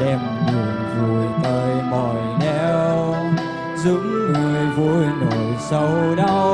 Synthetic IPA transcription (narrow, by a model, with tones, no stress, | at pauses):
ɗɛ˧mmɨ˨˩ənvu˧˩jt̪əː˧jmɔ˨˩jɗɛ˧˦w | zɨ̰˧˥ŋŋɨ˨˩əjvu˧jno˧˨˦jsə˧wɗə˧